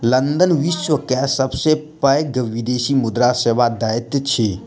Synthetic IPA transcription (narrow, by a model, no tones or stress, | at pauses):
lɐ̃nd̪ənʋiʃwəkɛsɐbsepəjɡəʋid̪eːʃimʊd̪ɾaseːʋad̪aːɪt̪t͡ʃʰe